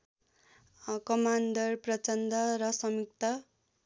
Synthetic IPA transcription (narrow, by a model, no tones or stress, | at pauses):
kʌmand̪ʌrprʌt͡sʌnd̪ʌɾʌsʌmik̚t̪ʌ